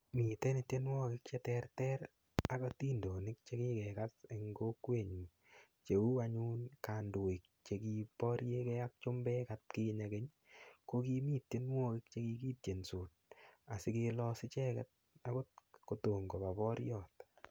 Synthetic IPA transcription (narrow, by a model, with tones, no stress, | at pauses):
mi˨tɛ˦nɪ˨tje˦nwɔː˦kɪ˦k̚t͡ʃɛ˦tɛrtɛ˦ɾ | a˦kɔ˦tiː˦ndo˨nɪ˦k̚t͡ʃekɪ˦kɛkatɪ˨ŋɡo˦kwe˦˨ɲu˨n | t͡ʃe˨u˦aɲuː˦nka˨ndʊ˨ɪ˨k̚t͡ʃe˨ki˦pɔ˦ɾje˦kɛ˦a˦k̚t͡ʃʊ˦mbɛ˦kat̚ki˦ɲa˨ɡe˦ɲ | koki˦miː˦tje˦nwɔ˦kɪ˦k̚t͡ʃe˦ki˧kiː˦t̚je˨nsu˨t̚a˨sɪ˦kɪ˧lɔ˦sɪ˦t͡ʃɛ˦kɛ̰t̚ | a˦kʊ˦t̚ko˨to˨ŋɡo˨ba˨pɔ˦ɾjɔː˦t